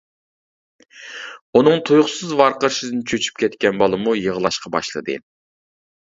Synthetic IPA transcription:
unɨŋt̪ʰujʊχsɨzvɑɾqəɾʃɨd̪ɨnɪt͡ʃʰøt͡ʃʰy̥p̚kʲʰɛt̪kʲɛnbɑlˠɨmujəʁəlˠɑʃqʰɑbɑ̰ʃlˠɨ̰d̪ɨ̰

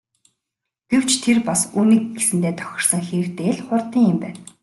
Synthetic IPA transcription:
ɡ̥ew̥t͡ɕt̪ʰerpasuːniːk̚ɡesɘ̆nt̪eːt̪ʰœ̥xʲɪ̆rsə̆ŋxeːrt̪eːɮχʊrt̪iːŋɪmpæːn

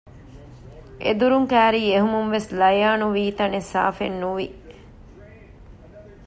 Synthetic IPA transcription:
ʔḛd̪uɾuŋkæːɾiːeɦumunʋeslɐjaːnuʋiːt̪ɐnesa̰ːfenːuʋi

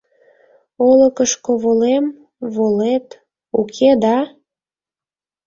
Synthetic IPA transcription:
oləkəʃkoβolem | βolet̪ | ukʰed̪ɑ

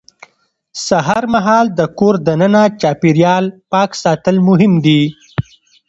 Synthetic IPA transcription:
saɦaɾmaɦɑːld̪əkoɾd̪anənat͡ʃɑpiɾjɑlpɑksɑt̪əlmʊɦɪmd̪i

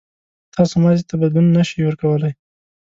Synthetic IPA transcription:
t̪ʰɑsomɑzit̪ʰabad̪bunːaʃijwəɾkawəlaj

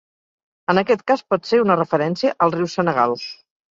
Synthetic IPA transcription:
ənəkɛt̪kaspɔt̪seunərəfəɾɛnsiəʔəlˠriwsənəɣa̰lus

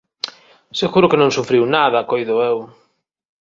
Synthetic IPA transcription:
seɣuɾʊkenõŋsufɾiwnaðɐkojðʊew

